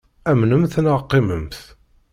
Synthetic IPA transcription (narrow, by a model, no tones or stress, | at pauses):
æmnəmθnəʁqːɪməmθ